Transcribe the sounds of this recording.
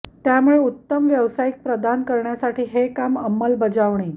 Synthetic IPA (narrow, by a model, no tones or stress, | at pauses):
t̪jamuɭeut̪ːəmʋjəʋsajik̚pɾəd̪ʱankəɾɳjasaʈʰiːɦekaməmːəlbəd͡zaʋɳi